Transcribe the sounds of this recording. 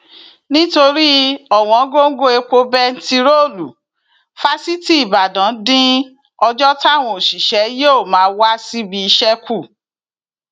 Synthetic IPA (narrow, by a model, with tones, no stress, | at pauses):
nĩ˦to˧ɾi˦ɔ˦˨w̃ɔ̃˨˦ɡo˦ŋ̩˦ɡo˦e˧k͡po˧bɛ˦n̩˦ti˧ɾo˦˨lu˨ | fa˦si˦ti˦i˦˨ba˨dã˨˦dĩ˦ | ɔ˧d͡ʒɔ˦ta˦˨w̃ɔ̃˧o˨ʃi˨ʃɛ˨˦jo˦˨mãː˨˦wa˦si˦bi˧i˧ʃɛ˦ku˦˨